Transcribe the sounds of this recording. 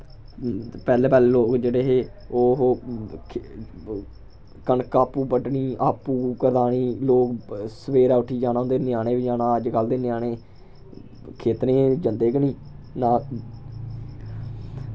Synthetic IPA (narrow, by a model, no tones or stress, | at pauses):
pɛːleːpɛːleːloːkd͡ʒeːɽeːɦeːoːɦoː | kəɳkaːpuːpəʈɳiːʔaːpːuːkəɾd̪aːɳiːloːksəʋeːɾaːʊʈʰiːd͡ʒaːnãːnd̪eːnɪjaːɽ̃eːʋid͡ʒaːnãːəd͡ʒkəld̪eːnɪjaːɽeː | kʰeːt̪ɾẽːd͡ʒənd̪eːkənĩːnaː